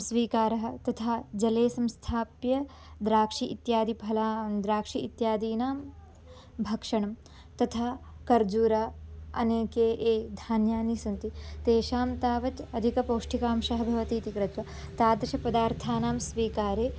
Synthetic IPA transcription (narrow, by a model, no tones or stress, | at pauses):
sʋiːkaːɾɐɦɐ̆t̪ɐt̪ʰaːd͡ʒɐleːsɐ̃mst̪ʰaːpjɐ | d̪ɾaːkʂiʔit̪jaːd̪ibʱɐlaːd̪ɾaːkʂiit̪jaːd̪iːnaːm | bʱɐkʂɐɳɐm | t̪ɐt̪ʰaːkɐɾd͡ʒuːɾaːɐ̰neːkeːʔeːd̪ʱaːnjaːnisɐnt̪it̪eːʃaːmt̪aːʋɐt̪ɐd̪ʱikɐpoːʂʈikaːmʃɐɦɐbʱɐʋɐt̪iːt̪ikɾɐt̪ʋɐ | t̪aːd̪ɐʃɐpɐd̪aːɾt̪ʰaːnaːmsʋiːkaːɾeː